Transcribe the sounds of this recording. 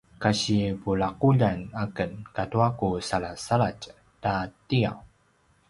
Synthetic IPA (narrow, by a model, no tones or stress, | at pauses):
kaɕipuɭaquʎanakənkatuakusaɭasaɭac | tatia̰w